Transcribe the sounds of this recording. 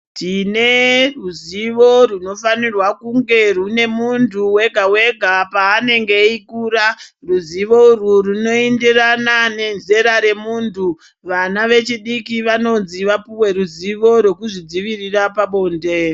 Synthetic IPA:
tine̞ruziʋo̞runo̞fanirwakuŋɡe̞rune̞muntʰuwe̞ɡʱawe̞ɡʱapaːne̞ŋɡe̞ikuːraruziʋo̞ururuno̞endiranane̞nze̞ɾaɾe̞muːntʰu | ʋanaʋe̞t͡ʃiɗikiʋano̞nziʋapuwe̞ɾuziʋo̞ɾwe̞kuʐid͡ziʋirirapaɓo̞ːnde̞

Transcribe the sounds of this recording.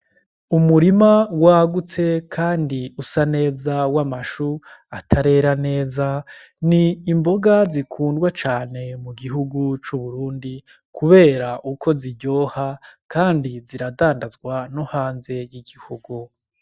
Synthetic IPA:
umuɾimawaɡut͡se̞kʰaːndiusane̞ːzawamaʃuatʰaɾe̞ɾane̞ːza | niːmbo̞ɡazikʰuːndɡwat͡ʃaːne̞muɡiɦuɡut͡ʃuβuɾuːndi | kʰuβe̞ːɾaʔukʰo̞ziɟo̞ːhakʰaːndiziɾadaːndazɡwanohaːnze̞jiɡihuɡu

